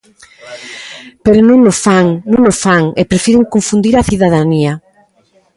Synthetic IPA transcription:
peɾonũŋnosfaŋnũŋnosfaŋepɾefiɾeŋkoɱfund̪iɾaθiðað̞ania

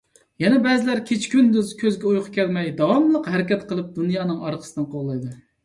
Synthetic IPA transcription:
jɛnɛbɛzɪlæɾkʲʰet͡ʃʰkʲynd̪yzkʲʰøzɡʲɛujqʰʊkʲʰɛlmɛjd̪ɑwɑmlˠəqɦæɾɪkʲɛt̪qəlˠɨp̚d̪unjɑːnɨŋɑɾqʰə̥sɨd̪ɨnqʰoʁlˠɑjd̪ɨ

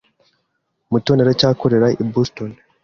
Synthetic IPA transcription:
mutoneɾecaːkoɾeɾaʔibuston

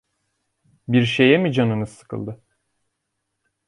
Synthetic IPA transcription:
biɾʃejɛmid͡ʒanɯnɯzɯ̥kʰɯ̰lˠd̪ɯ

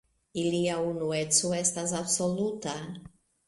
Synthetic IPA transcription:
iliaunuet̪suest̪azabsolut̪a

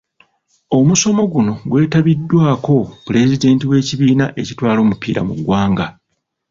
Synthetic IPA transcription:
o̞muso̞mo̞ɡuno̞ɡwe̞ːtaβidːwaːko̞pule̞zide̞ːntiwe̞ːciβiːnaʔe̞citwaːlo̞ːmupḭːɾa̰mṵɡwaːŋɡa

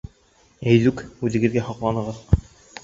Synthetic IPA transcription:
æjðʉkʉðɘ̆ɡɘ̆ðɡæhoqlˠɑnɤ̆ʁɤð

